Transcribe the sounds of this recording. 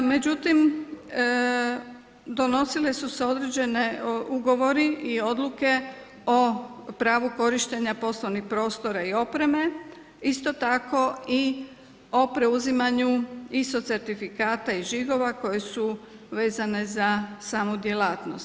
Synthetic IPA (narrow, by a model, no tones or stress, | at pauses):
me̞d͡ʒut̪im | d̪o̞no̞sile̞suse̞o̞d̪ɾed͡ʑe̞neuɡo̞ʋo̞ɾiio̞d̪luke̞ | o̞pɾaːʋuko̞ɾiʃt̪e̞ɲapo̞sloʋnixpɾo̞ːst̪o̞ɾaio̞pɾe̞me̞ | ist̪o̞t̪ako̞i | o̞pɾe̞uzimaɲuist̪o̞t̪se̞ɾt̪ifikaːt̪aiʒiɡo̞ʋako̞je̞su | ʋe̞ːzane̞zasaːmud̪je̞laːt̪nost̪